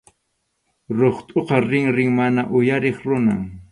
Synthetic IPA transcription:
ɾoχt̪ʼoqɑɾɪŋɾɪŋmanaʔʊjaɾeχɾʊna̰

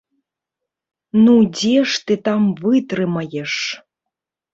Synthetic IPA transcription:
nud͡zʲeʂt̪ɨt̪amvɨt̪ɾɨmɐjɛʂ

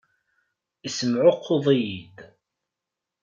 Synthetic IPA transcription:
isəmʕʊqʰːoðˤijid̪

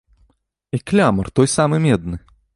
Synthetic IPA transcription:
iklʲamɐrt̪ɔjsamɨmʲɛd̪nɨ

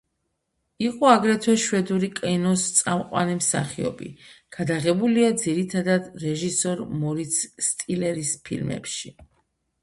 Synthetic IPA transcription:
iqʼɔaɡɾɛt̪ʰwɛʃwɛd̪uɾikʼɛnɔst̪sʼamqʼwa̰nimsa̰χiɔ̰bḭɡ̥ad̪aʁɛbuliad̪ziɾit̪ʰad̪ad̪ɾɛʒisɔɾmɔɾit̪sːt̪ʼilɛɾispʰḭlmɛ̰pʃi

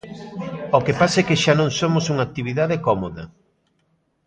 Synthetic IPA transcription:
okepasɛkɪʃanõŋsomosuŋak̚t̪iβ̞iðaðekɔmoðɐ̰

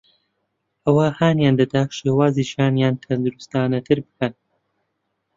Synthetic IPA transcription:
ʔɐwɐhaːnjaːnd̪ɐd̪aːʃeːwaːziːʃjaːnjaːnt̪ʰɐnd̪ɨɾust̪aːnɐt̪ʰɨɾbɨkʰɐn

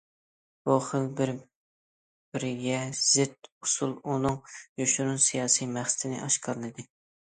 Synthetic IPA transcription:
b̥uχəlˠbɪɾ | b̥ɪɾɪɡʲɛz̥ɪt̪usulˠunɨŋjoʃuɾunsijɑːsijmæχsɪ̥t̪ʰnɪ̰ʔɑʃqʰɑɾɨnɨd̪ɨ

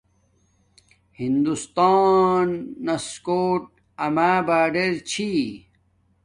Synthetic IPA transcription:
hind̪ust̪aːnːɐskoːʈ̚ | ɐmaːbaːɖeɾt͡ɕʰi

